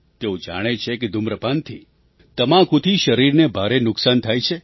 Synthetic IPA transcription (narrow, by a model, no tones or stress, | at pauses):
t̪eũd͡ʒa̰ɽ̃et͡ʃʰeked̪ʱumɾəpant̪ʰi | t̪əmãkũt̪ʰiʃəɾiɾnebʱaɾenʊksant̪ʰajt͡ʃʰe